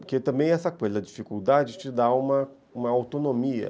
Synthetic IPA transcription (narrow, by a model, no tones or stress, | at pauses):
ʊɾket̪ɐ̃mbẽj̃ɛsɐkezd̪ɐd͡ʒifikuwd̪ad͡ʒɪt͡ʃɪd̪aũmɐ | ũmɐawt̪onomiɐ̰